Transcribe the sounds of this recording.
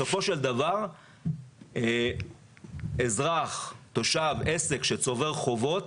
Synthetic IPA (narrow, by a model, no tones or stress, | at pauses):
o̞fo̞ʃeld̪avaʁ | ezʁaχt̪o̞ʃave̞se̞kʃet͡so̞ve̞ʁχo̞vo̞t